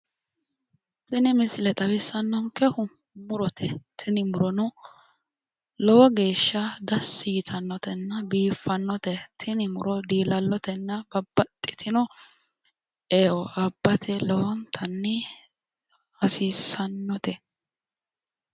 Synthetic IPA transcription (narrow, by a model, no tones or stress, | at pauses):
tɪnɪmɪslɛt̪ʼɐbɪsːɐnːɔŋkɛhʊ | mʊɾɔt̪ʰɛt̪ʰɪnɪmʊɾɔnɔ | lɔwɔɡe̞ːʃːɐd̪ɐsːiːt̪ʰɐnːɔt̪ɛnːɐbiːfːɐnːɔt̪ɛt̪ʰɪnɪmʊɾɔd̪iːlɐlːɔt̪ɛnːɐbɐbːɐt̪ʼːɪt̪ʰɪnɔ | eːwɔʔɐbːɐt̪ʰɛlɔwɔnt̪ʰɐnːɪ | hɐsiːsɐnːɔt̪ɛ